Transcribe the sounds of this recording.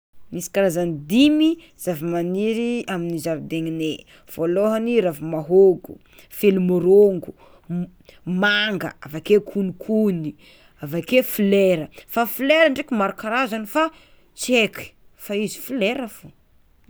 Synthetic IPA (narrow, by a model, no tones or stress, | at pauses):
misi̥kaɾazanid̪imi | z̥avimaniɾiaminizavid̪eŋine | v̥oloɦaniɾavimaɦoɡṵ | felumoɾoŋɡu | maŋɡə̰avakekʰunikʰuni | avakefileɾəfafileɾaɳɖ͡ʐekʲimaɾukaɾazanifa | t͡ʃeki̥ | faizi̥fileɾəfo